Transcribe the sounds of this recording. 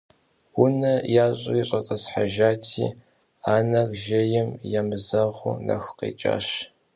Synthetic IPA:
wʊnɐjaːɕʼʊ̰ɪɕʼɐt͡sʼɐsħaʒaːtʰḭː | aːnɐɣʒɐjɪmjamɨzɐʁʷʊ̰nɐ̰xqḛːt͡ʃʼa̰ːɕ

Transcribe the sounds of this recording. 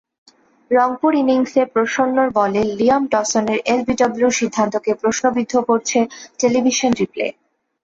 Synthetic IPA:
ɾɔŋpuɾiniŋsepɾoʃonːoɾbɔleliamʈɔsoneɾelbiɖɔbluʃid̪ʱːant̪okepɾoʃnobid̪ʱːokoɾt͡ɕʰeʈelibʱiʃonɾiplḛ

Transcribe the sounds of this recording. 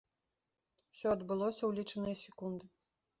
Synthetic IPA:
wsʲɔɐd̪bɨlˠɔsʲɐwlʲit͡ʂɐnɨjɐsʲɛkund̪ɨ

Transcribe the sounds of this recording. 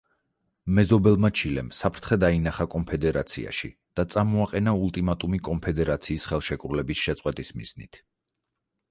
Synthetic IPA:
mɛzɔbɛlˠmat͡ʃʰilɛ̰msapʰɾt̪ʰχɛd̪ainaχakʼɔmpʰɛd̪ɛɾat̪sʰḭa̰ʃḭd̪̥at̪sʼamɔaqʼɛnaulˠt̪ʼimat̪ʼumikʼɔnpʰɛd̪ɛɾat̪sʰiːsχɛlˠʃɛkʼɾulɛbisʃɛt̪sʼqʼwɛt̪ʼismḭz̥nḭt̪ʰ

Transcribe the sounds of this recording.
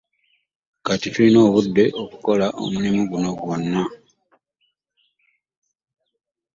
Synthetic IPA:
katitulino̞ːβudːe̞ʔo̞ku̥ko̞laʔo̰mulimiɡuno̞ɡwo̞nːa

